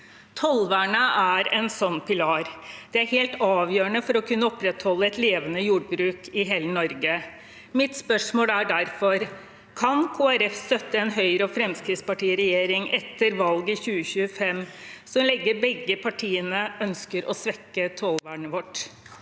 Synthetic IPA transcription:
t̪ʰɔlʋæɳəʔæɾɛnsɔnːpʰɪlɑːɾd̪̥ɛæɾheːlt̪ɑːʋjøːəɳəfɔɾɔkʰʉnːəɔpɾɛt̪hɔlːəɛt̪leːʋənəjuːɖ̚bɾʉːkʰɪɦeːlənɔɾɡə | mɪt̪spœʂmoːlæɖæɾfɔɾ | kʰɑnkʰoːæɾɛfst̪œt̪ːəɛnɦœʏɾəɔfɾɛmskɾiːd̪spɑʈiːəɾɛjeːɾɪŋɛt̪ʰːəɾʋɑlɡɪçʉːəɕʉːəfɛmsɔmlɛɡːəɾbɛɡːəpʰɑʈʰiːənəœnskəɾɔ̰sʋɛkːət̪ʰɔlʋæɳəʋɔʈ

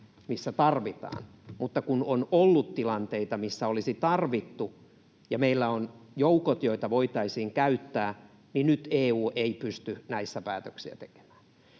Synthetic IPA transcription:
misːæt̪ɑrʋit̪ɑ̰ːn | mut̪ːɑkunonolːut̪t̪ilɑnt̪eit̪ɑmisːæolisit̪ɑrʋit̪ːu | jɑmeilːæonjoukot̪joit̪ɑʋoit̪ɑisiːŋkæyt̪ːæː | ninyt̪eːuːʔeipyst̪ynæisːæpæːt̪øksiæ̰t̪e̥ke̥mæ̥ːn

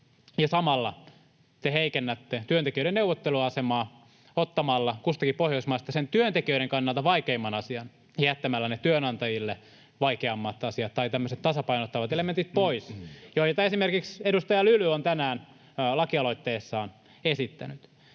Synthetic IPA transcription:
jɑsɑmɑlːɑ | t̪eheikenːæt̪ːet̪yøt̪ekiøiɾenewʋot̪ːeluɑɑsemɑː | ot̪ːɑmɑlːɑkust̪ɑkipohjoismɑˑst̪ɑsent̪yønt̪ekiøiɾeŋkɑnːɑlt̪ɑʋɑikeimːɑnɑsiɑn | hiæt̪ːæmælːænet̪yønɑnt̪ɑjilːe | ʋɑikeɑmːɑt̪ɑsiɑt̪tːɑit̪æmːøset̪t̪ɑsɑpɑinot̪ːɑʋɑt̪element̪it̪̚poisjoijet̪ɑesimerkiksedust̪ɑjɑlylyont̪ænæːn | lɑkiɑlo̞it̪ːeːsːɑːn | esit̪ːæ̰nyt̪

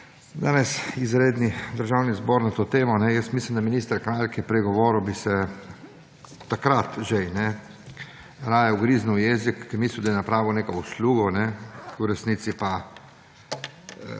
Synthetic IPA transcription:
d̪aːnɛsizɾeːd̪nid̪əɾʒawnizboːɾnat̪oːt̪eːmɔnɛjəst̪mislimd̪aminiːst̪əɾkɾalkɛpɾɛɡɔʋɔːɾubisɛ | t̪akɾat̪ʒɛjnɛ | ɾaːjɛʊɡɾiznuwjɛːzikːimiːslʲiwd̪ajɛnapɾaːʋiwneːkɔusluːɡɔnɛuɾɛsniːt̪sipa

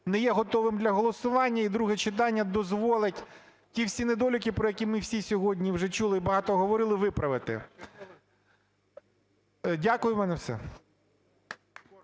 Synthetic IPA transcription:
nɛjɛɦɔt̪ɔʋɪmd̪lʲɐɦɔlˠɔsʊʋɑnʲːɐid̪ɾuɦɛt͡ʃɪt̪ɑnʲːɐd̪ɔzʋɔlˠɪtʲ | tʲiwsʲined̪ɔlʲʊkʲɪpɾɔjɐkʲimɪwsʲisʲɔɦɔdʲnʲiwʒɛt͡ʃulˠɪibɐɦɑt̪ɔɦɔʋɔɾɪlˠɪʋɪpɾɐʋɪt̪ɪ̰ | dʲakʊjʊmɛnɛwsɛ̰

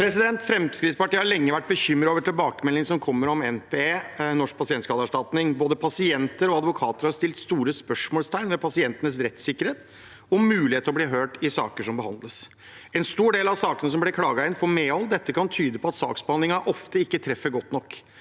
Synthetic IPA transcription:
pʰɾɛsɪd̪ɛnt̪fɾɛmskɾɪːspɑʈiːəhɑlɛŋːəʋæʈ̚ːbəçʏmːɾoːʋəʈʰɪlbɑːkəmɛlːɪŋsɔmkʰɔmːəɾɔmɛnpʰeːeːnɔʂk̚pʰɑsɪɛnt̪skɑːd̪ɑʂʈɑt̪nɪŋboːd̪əpʰɑsɪɛnt̪əɾɔɑd̪ʋʊkʰɑːt̪əɾhɑst̪ɪlt̪st̪uːɾəspœʂmoːlst̪ʰæɪnmɛpʰɑsɪɛnt̪ənəs̬ɾɛt̪ːsɪkːəɾeːt̪ | ɔmːʉːlɪheːt̪əɾɔbliːɦøːʈɪsɑ̰ːkəʂɔmbəhɑ̰nd̪ləs | ɛnst̪uːɖeːlɑʋsɑːkənəs̬ɔmblɛkʰlɑːɡɑɪnfɔɾmeːɔld̪ɛt̪ːəkʰɑnt̪ʰyːd̪əpʰɔɑt̪sɑ̰ːksbəɑnd̪lɪŋɑʔɔft̪əɪkːət̪ʰɾɛfːəɾɡɔt̪ːnɔkː

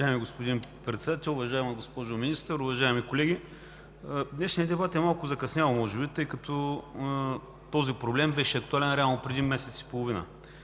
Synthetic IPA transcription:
ʒaɛmiɡospod̪inpɾɛt̪sɛd̪at̪ɛlˠʊvɐʒaɛmɐɡospɔʒʊminist̪əɾʊvɐʒaɛmikolɛɡʲi | d̪nɛʃnʲijɐd̪ɛbat̪ɛmalˠkʊzɐkɐsnʲavmɔʒɛbit̪ɤjkɐt̪ɔ | t̪ɔzipɾoblɛmbɛʃɛɐk̚t̪ualɛnɾʲalˠnopɾɛd̪imɛsɛt̪si̥polˠovinə̰

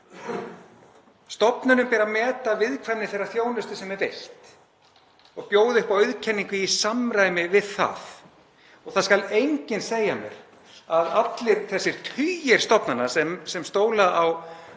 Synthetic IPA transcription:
st̪ɔpnʏnʏmpɛːɾamɛːt̪avɪðkʰvanːɪθejrːaθjoːwnʏst̪ʏsɛmɛɾvejl̥t̪ | ɔɣpjoːwðɪʏhpawœɥðcʰɛnːiŋkʏisamɾaːjmɪvɪðθa̰θ | ɔɣθaðskalejɲcɪnseːjamjɛ̰ɾ̥ | aðat̪lɪɾθɛsːɪɾ̥t̪ʰyjɪɾ̥st̪ɔpnanːasɛmsɛmst̪oːwlaʔaw

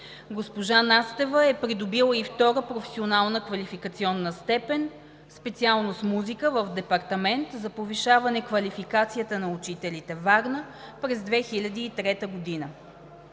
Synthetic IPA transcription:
ɡospoʒanast̪ɛvəɛpɾid̪obilˠəift̪ɔɾəpɾofɛ̥sionalˠnəkvɐlʲifikət̪siɔnːəst̪ɛpɛn | spɛt̪sialˠnosmuzikəvəfd̪ɛpɐɾt̪ɐmɛnt̪zɐpoviʃavɐnɛkvɐlʲifikat̪sijət̪ənɐut͡ʃit̪ɛlit̪ɛvaɡnə | pɾɛzd̪vɛxilʲɐd̪iːt̪ɾɛt̪əɡod̪inə

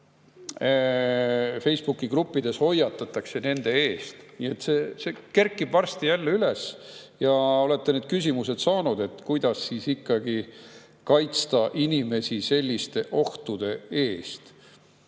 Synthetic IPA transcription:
fe̞jsb̥ukːˑiɡrupːˑid̪̥e̞sho̞jːɑt̪ːˑɑt̪ːˑɑkse̞ne̞nd̪̥e̞e̞ːst̪nie̞t̪ːseseke̞rkːˑib̥vɑrst̪ijælːeylesjɑo̞le̞t̪ːeneːd̪̥kysʲimuse̞d̪sɑːnud̪̥e̞t̪ːˑkujd̪̥ɑsːiːsikːɑɡ̥i | kɑjt̪st̪ɑʔinime̞sʲise̞lʲːist̪e̞ʔo̞ht̪ud̪̥e̞e̞ːst̪

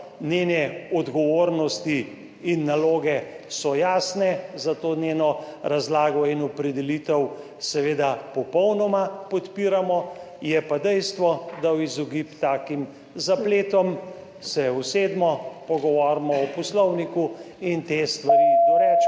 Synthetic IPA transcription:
neːnɛɔd̪ɡɔʋoɾnɔst̪iː | nːaloːɡɛ | sɔjaːsnɛzat̪oːnʲenɔɾazlaːɡɔinɔpɾɛd̪ɛlit̪əw | sɛʋeːd̪apɔpɔwnɔmapɔt̪piɾamɔ | jɛpad̪ɛjst̪ʋɔd̪awizɔɡipt̪aːkim | zapleːt̪ɔm | sɛused̪mɔpɔɡɔʋɔɾmɔɔpɔslɔwniku | int̪est̪ʋaɾid̪ɔɾɛt͡ʃ

